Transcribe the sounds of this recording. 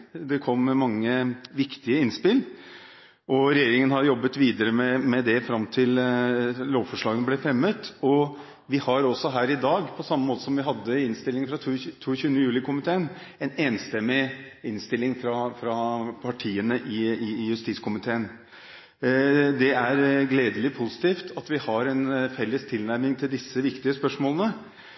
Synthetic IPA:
d̪ɛkʰɔmːɛmɑŋːəʋɪkt̪ɪəɪnspɪl | ʔɔɾɛjeːɾɪŋənhɑɾjɔbːət̪ʋiːd̪əɾəmɛmɛd̪ɛfɾɑmt̪ʰɪl | loːʋfɔʂɭɑːɡənəblɛfɾɛmːət̪ɔ | ʋɪhɑɾɔsɔɦæːɾɪd̪ɑːɡpʰɔsɑmːəmoːt̪ə̥sɔmʋɪɦɑd̪ːəɪnst̪ɪlːɪŋfɾɑt̪ʰːt̪ʰuːçʉːənəjʉːlɪkʰʊmɪt̪ʰeːən | ɛneːnst̪ɛmːɪɪnst̪ɪlːɪŋfɾɑfɾɑpʰɑʈʰiːənəʔɪɪjʉst̪iːt̪skʰʊmɪt̪ʰeːən | d̪ɛæɾɡleːd̪əlɪpʰʊsɪ̥t̪iːft̪ʰɑt̪ʋɪhɑɾɛnfɛlːəst̪ʰɪlnæɾmɪŋt̪ʰɪld̪ɪsːəʋɪkt̪ɪəspœʂmoːlənə

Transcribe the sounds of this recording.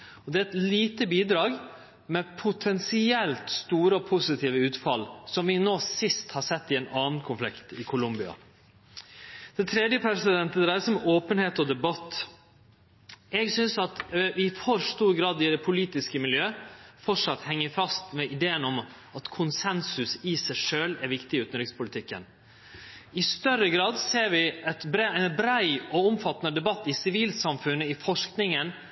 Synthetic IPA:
ɔd̪ɛɛt̪liːt̪əbiːd̪ɾɑːɡ | mɛpʰʊt̪ʰɛnsɪɛlt̪st̪uːɾəɔpʰʊsɪt̪ʰiːʋəʉːt̪fɑlsɔmʋɪnoːsɪst̪hɑsɛt̪ːɪɛnɑːn̩kʰʊnflɪkt̪ɪkʰʊlʊmbɪɑ̰ | d̪̥ɛnt̪ʰɾeːd̪jəpʰɾɛsɪd̪ɛnt̪əd̪ɾæɪəsɔmoːpənheːt̪ɔd̪ɛbɑt̪ː | ɛɡsʏnsɑt̪ʋɪfoɾst̪uːɾɡɾɑːd̪ɪd̪ɛpʰʊliːt̪ɪskəmɪljøːfɔʂɑt̪ːhɛŋːəfɑst̪mɛʔɪd̪eːənɔm | ɑt̪kʰʊnsɛnsʉsɪsæɪʂøːlɛɾʋɪkt̪ɪʉːt̪nɾɪkspʊlɪt̪ʰɪkːə̰n | ɪst̪œɾːəɡɾɑːd̪seːɾʋɪɛt̪bɾɛnbɾæɪɔʊmfɑt̪ːnəd̪ɛbɑt̪ːɪsɪʋiːlsɑmfʉnːəɪfɔʂknɪŋən

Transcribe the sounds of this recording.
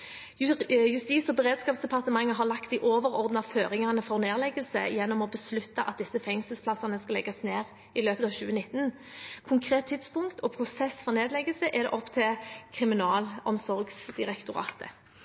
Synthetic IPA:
jʉst̪iːsɔbəʁeːd̪skɑːpsd̪ɛpʰɑʁt̪əmɑŋːəɦɑʁlɑkt̪ɪʔoːʋəɾɔʁd̪nɑføːɾɪŋɑʁnəfɔʁneːʁlɛɡəlsə̰jɛnːɔmɔbəslʉt̪ːɑʔɑt̪̚d̪ɪsːəfɛŋsəlspʰlɑsɑnəskɑlɛɡɑsneːʁ | ɪløːpət̪ɑːʋɕʉ̰ːənɪt̪ːn | kʰʊŋkʰɾeːt̪ʰːɪt̪spʊŋkt̪ʰɔpʰɾʊsɛsfɔʁneːd̪lɛɡəlsəʔɛd̪ɛ̰ʔɔpːt̪ʰɪlkʰʁɪmɪnɑːlɔmsɔɾɡsd̪̥ɪʁɛkt̪ʊɾɑ̰ːt̪ə̰

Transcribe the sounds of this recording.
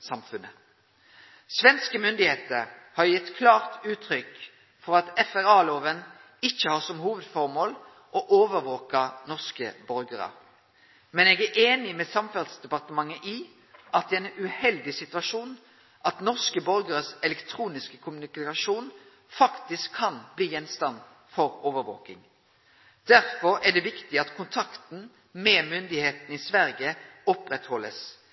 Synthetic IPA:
sɑmfʉnə | sʋɛnskəmʏnd̪ɪheːt̪əɾhɑʁjɪt̪ːkʰlɑːʁt̪ʉːt̪ʰʁʏk | fɔɾɑt̪ɛfæɾɑːloːʋən | ɪçːəhɑːsɔmhuːʋəd̪fɔʁmoːl | ʔɔʔoːʋəɾʋoːkɑnɔʁskə̰bɔɾɡəʁə̰ | mɛnɛɡæʔeːnɪmɛsɑmfɛld̪sd̪ɛpɑʁt̪əmɑŋːəʔi | ʔɑt̪̚d̪ɛɛnʉhɛld̪ɪsɪt̪ʉɑʃuːn | ʔɑt̪nɔʁskəbɔɾɡəʁəsɛlɛkt̪ʰɾuːnɪskəkʰʊmʉnɪkɑʃuːn | fɑkt̪ɪskʰːɑnbliːjɛnst̪ɑn | fɔʁoːʋəɾʋo̰ːkɪ̰ŋ | d̪̥æʁfɔɾæd̪ɛʋɪkt̪ɪɑt̪kʰʊnt̪ʰɑkt̪n̩ | mɛmʏnd̪ɪheːt̪n̩iːsʋæʁɡəɔpʁɛt̪hɔlːəs

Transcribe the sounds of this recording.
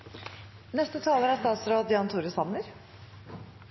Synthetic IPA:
nɛst̪ət̪ʰɑːləɾæst̪ɑːt̪sɾoːd̪jɑːnt̪ʰuːɾəsɑməɾ

